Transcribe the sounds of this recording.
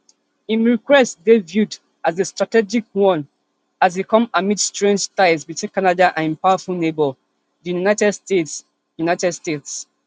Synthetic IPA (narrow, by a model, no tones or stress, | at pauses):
ĩmɹikwɛstdevjud | azestɹatɛd͡ʒik̚wɔ̃n | azbikɔ̃mamitstɹẽnd͡ʒtaɪsbitʰwĩnkanadaʔãñpawafulnebɔl | ðijjunatɛdste | junaɪtɛdstets